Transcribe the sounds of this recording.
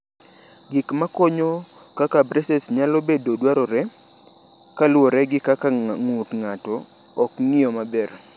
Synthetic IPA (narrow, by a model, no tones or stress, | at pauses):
ɡɪkmakɔɲo | kakabɾɛsɛsɲalobedodwaɾɔɾɛ | kalwɔɾɛɡɪkːakaŋutŋatɔː | kŋɪɔmabɛr